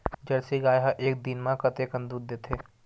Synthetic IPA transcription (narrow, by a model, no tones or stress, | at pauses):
d͡ʒɐɾsiɡaːjɦaʔeːk̚d̪inmãkɐt̪ekɐ̃nd̪uːd̪̚ːeːt̪ʰeː